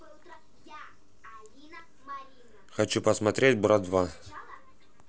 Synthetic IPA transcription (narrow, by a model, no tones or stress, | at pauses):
xɐt͡ɕupəsmɐt̪ɾʲet̚ʲbɾad̪d̪va